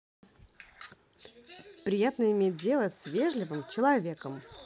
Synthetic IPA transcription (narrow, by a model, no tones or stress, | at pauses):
pɾʲɪjat̪nəɪmʲet̚ʲdʲe̞lˠəsʲvʲe̞ʐlʲɪvɨmt͡ɕɪlˠɐvʲe̞kəm